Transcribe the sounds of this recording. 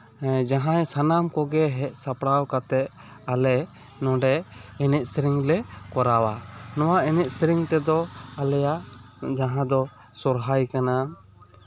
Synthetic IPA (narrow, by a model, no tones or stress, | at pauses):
d͡ʒaɦãjsanamkɔɡɛɦɛʔ̚sapɽawkat̪ɛt̪̚ | alɛ | nɔ̃ɖɛɛnɛʔ̪̚sɾiŋlɛkɔɾawanɔwaɛnɛʔ̪̚sɾiŋt̪ɛd̪ɔalɛja | d͡ʒaɦãd̪ɔ | sɔɾɦajkana